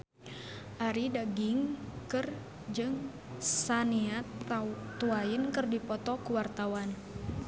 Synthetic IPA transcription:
ʔaɾidaɡɪŋkɨr | d͡ʒɨŋ | sania | t̪uainkɨrdipɔt̪ɔkuwart̪awan

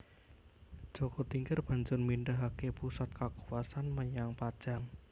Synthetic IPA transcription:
d̥ʒ̥okot̪iŋɡərb̥a̤ɲd͡ʒʊnminɖaɦakepusat̪̚kakuwasanməɲaŋpad̥ʒ̥aŋ

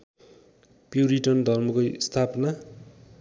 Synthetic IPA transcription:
pjuɾiʈʌnd̪ʱʌrmʌkost̪ʰapna

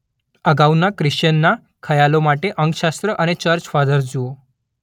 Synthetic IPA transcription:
əɡawnakɾɪʃənːa | kʰəjalomaʈeʔəŋɡʃast̪ɾəʔənet͡ʃəɾt͡ʃfad̪əɾd͡ʒuo

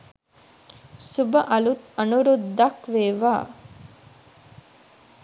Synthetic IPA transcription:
subɐʔɐlut̪ɐnuɾud̪ːɐkʋeːʋaː

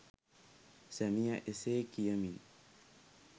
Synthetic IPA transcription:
samiaʔesekijami

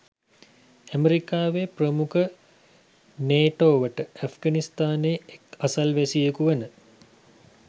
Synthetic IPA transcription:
æmeɾikaːʋeprəmukʰə | neːʈoːʋəʈəæfɡanist̪aːneːekasɐlʋæsijekuʋənə

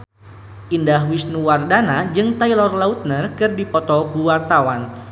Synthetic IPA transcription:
ʔindaɦwisnuwardanad͡ʒɨŋt̪ailɔrlaut̪̚nərkɨrdipɔt̪ɔkuwart̪awan

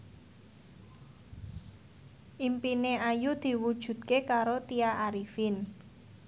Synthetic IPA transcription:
ʔimpineajud̪̥i̤wud̥ʒ̥ṳd̪̚kekaɾot̪iaʔaɾifin

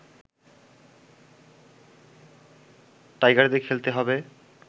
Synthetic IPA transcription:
ʈajɡaɾd̪ekʰelt̪eɦɔbe

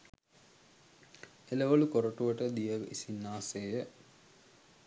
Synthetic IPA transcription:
eləʋəlukoɾəʈuʋəʈəd̪ijəkisinːaːseːjə

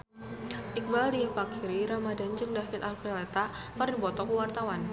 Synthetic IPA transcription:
ʔɪk̚badipakʰiɾiɾamadand͡ʒɨŋdafɪt̪alpɛlet̪akardibɔt̪ɔkuwart̪awan

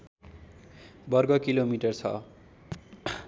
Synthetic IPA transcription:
bʌrɡʌkilomiʈʌrt͡sʰʌ̰

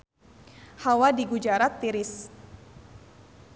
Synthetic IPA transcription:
hawadiɡud͡ʒaɾat̪ːiɾɪs

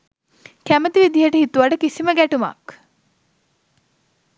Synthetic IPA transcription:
kæmət̪iʋid̪iɦəʈəɦit̪uʋaʈəkisiməɡæʈuma̰k

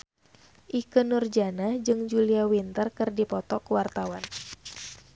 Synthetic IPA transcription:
ʔikənurd͡ʒanad͡ʒɨŋd͡ʒuliawint̪ərkɨrdipɔt̪ɔkwart̪awan

